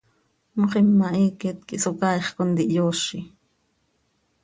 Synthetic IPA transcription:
moχimːɑʔiːket̪kiʔsokɑjχkond̪iʔjoːʃi

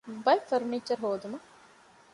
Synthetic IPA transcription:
bɐjfɐɾniːt͡ʃɐɾɦoːd̪umɐ

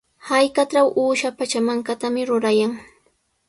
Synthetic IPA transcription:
hajkaʈ͡ʂawʔuːʃapat͡ʃamaŋkat̪amɪɾʊɾajaŋ

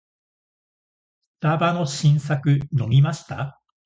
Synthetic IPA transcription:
ɨ̥t̪abano̞ɕĩɰ̃sakɯ̟no̞mʲimaɕi̥t̪a

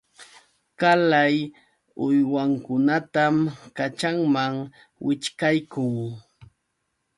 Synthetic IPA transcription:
kalaj | ʊjwaŋkʊnat̪amkat͡ʃaŋmaŋ | wɪt͡ʃkajkʊŋ

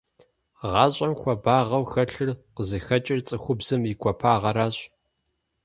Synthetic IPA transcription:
ʁɑːɕʼɐmxʷɔbaːʁɐwxɐɬɨrqəzɨxɐt͡ʃʼɪrt͡sʼɨxʷʊbzɨmikʷʰɔpʰaːʁɐɾaːɕʼ

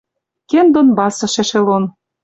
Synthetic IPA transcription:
kend̪onbɑsɤ̆ʃĕʃĕlon

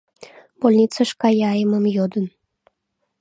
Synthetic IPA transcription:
bolʲnʲit͡sɑʃkɑjɑjəməmjod̪ən

